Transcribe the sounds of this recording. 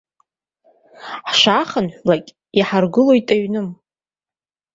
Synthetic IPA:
ħʃaχənħʷᶣlakʲʼ | iħarɡɨlojtʼaɥnɨm

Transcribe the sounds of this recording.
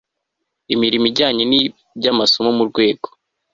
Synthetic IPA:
imiɾimiɟaːɲeni | bɟamasomomuɾɡwe̞ːɡo

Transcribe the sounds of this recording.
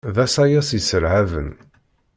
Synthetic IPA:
ðæsæjæsisəɾʕavə̰n

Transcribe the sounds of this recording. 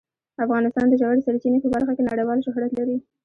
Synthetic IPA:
afɣɑnɪst̪ɑnd̪əʒawaɽesaɾt͡ʃinepəbaɾxakenaɽejwɑlʃʊɦɾat̪laɾi

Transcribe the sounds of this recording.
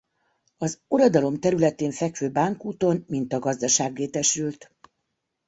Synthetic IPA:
ɒzoɾod̪ɒlo̞mt̪ɛɾylɛt̪eːɱfɛkʋøːbaːŋkuːt̪o̞nmint̪ɒɡɒzd̪ɒʃaːɡːeːt̪ɛʃylt̪

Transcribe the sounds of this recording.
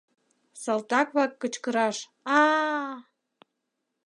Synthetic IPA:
sɑlt̪ɑkβɑkːə̆t͡ɕkɤ̆ɾɑʃ | ɑ

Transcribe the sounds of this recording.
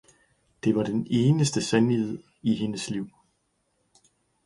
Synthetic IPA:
d̥e̝ʋɑ̈ɾ̥ene̝ːnəsd̥əsænihe̝ð̰ˠ | iɦe̝nəsliʊ̰

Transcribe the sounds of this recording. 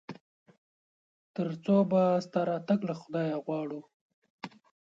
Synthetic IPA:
t̪əɾt͡sobast̪aɾɑt̪aɡlaxʊd̪ɑjaɣwɑɽu

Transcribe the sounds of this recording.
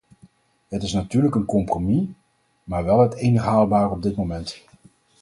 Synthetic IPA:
ɦətɪsnatyːɹləkənkɔmpromi | maːɹʋɛlˠɦətejnəχɦaːlˠbaːrɔb̚dɪt̚momɛnt

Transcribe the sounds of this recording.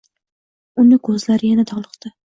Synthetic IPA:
ʊnɪkʰɵzlaɾɪjanat̪ʰɒʁlˠɨqt̪ɪ

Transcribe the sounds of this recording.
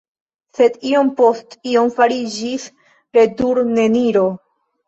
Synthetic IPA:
se̞dio̞mpo̞stio̞mfaɾid͡ʒis | ɾe̞duɾne̞niɾo̞

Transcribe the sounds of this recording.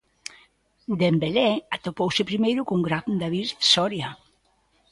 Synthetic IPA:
d̪embelɛat̪opowsɪpɾimejɾʊkuŋɡɾand̪aβiɾθsɔɾja

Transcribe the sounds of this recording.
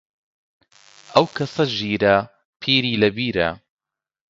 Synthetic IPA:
ʔɐwkʰɐsɐʒiːɾɐ | pʰiːɾiːlɐbiːɾɐ̰

